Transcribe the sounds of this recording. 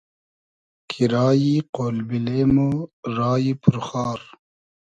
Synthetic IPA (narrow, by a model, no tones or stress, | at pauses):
kʰiɾaːjiqoːlbileːmoɾaːjipʰuɾxaːɾ